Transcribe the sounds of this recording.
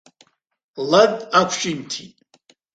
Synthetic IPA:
lɐdakʷʰʃʼimtʰitʼ

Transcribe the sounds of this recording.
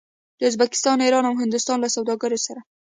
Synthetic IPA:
d̪̥əʊzbakɪ̥st̪ɑniɾɑnawɦɪnd̪ʊst̪ɑnlasawd̪ɑɡaɾosaɾa

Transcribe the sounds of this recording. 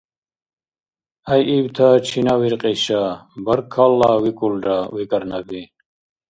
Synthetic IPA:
ɐjʔiwt̪ʰat͡ɕʰinawiɾqʼiɕabɐɾkʰːalːawikulɖawikɐɾnabi

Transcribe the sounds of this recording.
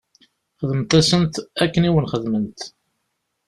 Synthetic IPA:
χəðmt̪æsənt̪ækːəniwənχəðmənt̪

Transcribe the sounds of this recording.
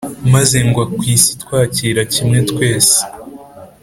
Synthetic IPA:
maze̞ŋɡwakwiːsi̥twaːciːɾacimŋe̞tkwe̞ːse̥

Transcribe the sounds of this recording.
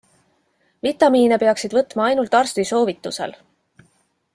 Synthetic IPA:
vit̪ːˑɑmiːnepe̞ɑksid̪vɤt̪ːˑmɑɑjnult̪ːˑɑrst̪viso̞ːvit̪ːˑuse̞̰l

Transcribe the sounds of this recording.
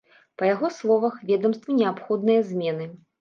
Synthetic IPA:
pɐjaɣɔslˠɔvɐxvʲɛd̪ɐmst̪vɐnʲɛapxɔd̪nɨjɐzʲmʲɛnɨ

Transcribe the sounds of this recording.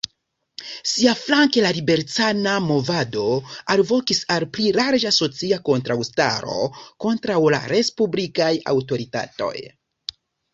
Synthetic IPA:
siaflaŋkelalibe̞ɾt͡sanamo̞vado̞alvo̞kisalpliɾaɾd͡ʒaso̞t͡siako̞ntɾawsta̰ɾo̞̰ko̞ntɾawla̰ɾe̞spublikaja̰wto̞ɾita̰to̞̰j

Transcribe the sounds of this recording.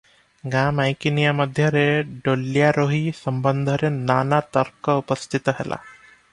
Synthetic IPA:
ɡaːmajkinijaməd̪ʱjəɾeɖolːjaɾoɦisəmbənd̪ʱəɾenaːnat̪əɾkəupəst̪ʰit̪əɦɛlʔa̰

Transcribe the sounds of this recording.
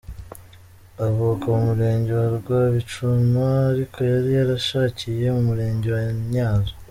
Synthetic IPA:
aβukaumuɾe̞ːɲɟe̞waɾuɡwaβit͡ʃumaːɾikʰo̞jaɾijaɾaʃaːcije̞mumuɾe̞ːɲɟe̞waɲaːnza

